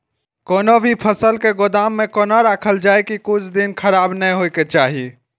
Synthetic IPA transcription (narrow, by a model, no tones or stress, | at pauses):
koːnobʱipʰəsəlkeɡod̪aːmːẽkoːnaɾaːkʰəld͡ʒaːekikʊt͡ʃʰd̪inkʰəɾaːbnəɦojket͡ʃaːɦi